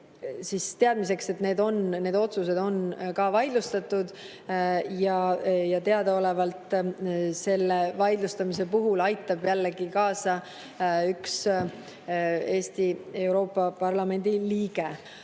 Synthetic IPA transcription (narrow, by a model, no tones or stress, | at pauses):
sist̪e̞ɑd̪̚mis̬e̞kse̞t̪ne̞ːd̪o̞nne̞ːd̪o̞t̪sus̬e̞d̪̥o̞nkɑːvɑjd̪lust̪ɑt̪ːˑud̪̥ | jɑjɑt̪e̞ɑd̪̥ɑo̞le̞vɑlt̪ˑ | se̞lːevɑjd̪lust̪ɑmis̬e̞puɦulɑjt̪ːˑɑb̥jælːe̞ɡikɑːsɑ | yks | e̞ːst̪ie̞wɾo̞ːpːˑɑpɑrlɑme̞nʲd̪̥iliːɡ̥e̞